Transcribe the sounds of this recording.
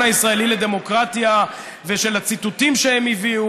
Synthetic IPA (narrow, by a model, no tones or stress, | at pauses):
aisʁae̞liled̪e̞mokʁat̪ja | veʃe̞lat͡sit̪ut̪imʃehemiviu